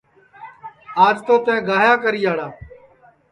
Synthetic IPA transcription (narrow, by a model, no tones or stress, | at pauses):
aːd͡ʒt̪oːt̪ẽːɡaːjaːkəɾiːaːɽaː